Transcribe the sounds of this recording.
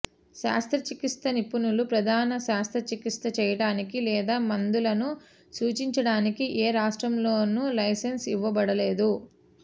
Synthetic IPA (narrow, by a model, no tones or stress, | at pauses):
ʃa̰ːst̪ʰɾɐt͡ʃikist̪ɐnipunulupɾɐd̪ʱaːnɐʃaːst̪ɾɐt͡ʃikist̪ɐt͡ʃɛːjɐɽaːnikilɛːd̪aːmɐnd̪ulɐnu | suːt͡ʃiɲt͡ʃɐɽaːnikiʔeːɾaːʂʈɾɐmlo̞ːnulɐjsensiʋːɐbɐɽɐle̞ːd̪u